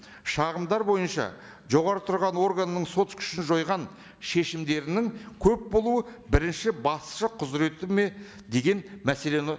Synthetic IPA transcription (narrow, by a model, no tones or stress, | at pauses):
ʃɑʁəmd̪ɑɾbo̞jənʃɑ̰ | ʒo̞ʁɑɾət̪ʰʊɾʁɑnwo̞rɡanəːəɴso̞t̪kʲʰʏ̥ʃɪnʒo̞jʁɑn | ʃe̞ʃɪmd̪e̞ɾɪnɪŋkʲʰɵp̚bo̞lˠuəbɪɾɪnʃɪbɑsʃəqʰʊzɾe̞t̪ɪme̞ | d̪e̞ɡʲe̞nmæse̞le̞nɪ